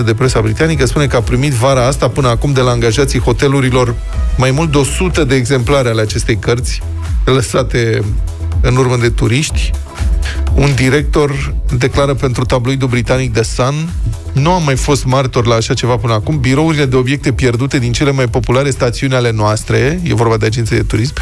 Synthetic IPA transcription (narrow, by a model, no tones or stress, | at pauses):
əd̪e̞pɾe̞sabɾit̪anikəspune̞kəapɾimit̪vaɾaast̪apɨnəakumd̪e̞laːŋɡaʒat̪sijxo̞t̪e̞luɾilo̞r | majmult̪d̪o̞sut̪əd̪eːɡze̞mplaɾʲale̞at͡ʃe̞st̪ejkərt̪sʲ | ləsat̪e̞ | ɨnurməd̪e̞t̪uɾiʃt̪ʲ | und̪iɾe̞k̚t̪o̞rd̪e̞klaɾəpe̞nt̪ɾut̪abloid̪ubɾit̪anik̚d̪e̞san | nuamːajfo̞st̪mart̪o̞rlaːʃat͡ʃe̞vapɨnəakumbiɾo̞uɾile̞d̪e̞o̞bje̞k̚t̪e̞pje̞rd̪ut̪e̞d̪int͡ʃe̞le̞majpo̞pulaɾe̞st̪at̪siunʲale̞noast̪ɾe̞je̞̰vo̞rbad̪e̞ad͡ʒent̪sed̪et̪uɾism